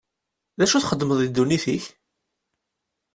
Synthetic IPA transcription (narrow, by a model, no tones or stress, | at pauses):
ðæʃuθχəd̪ːməðˤid̪ːuniθiç